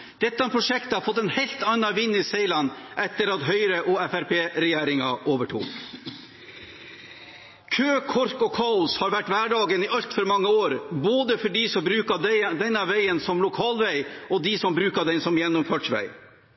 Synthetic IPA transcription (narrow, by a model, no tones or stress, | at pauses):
d̪̥ɛt̪ːɑɛpʰɾʊʂɛkt̪əhɑɾfɔt̪ːɛnhɛɪlt̪ɑnːɑʋɪnːɪseɪlɑnʔɛt̪ːəɾɑt̪ɦœʏɾəʔɔɛfæɾpʰeːɾɛjeːɾɪŋɑʔoːʋəʈʰṵːɾ | kʰøːkʰɔɾkɔkʰɑːʊshɑɾʋæʈːʋæːɖɑːɡənɪʔɑlt̪fɔɾmɑŋːəoːɾboːd̪əfɔɖiːsɔmbɾʉːkɑd̪ɪd̪ɛnːɑʋæɪənsɔmlʊkʰɑːlʋæɪɔd̪isɔmbɾʉːkɑd̪ɛnsɔmjɛnːʊmføːʈʂʋæ̰ɪ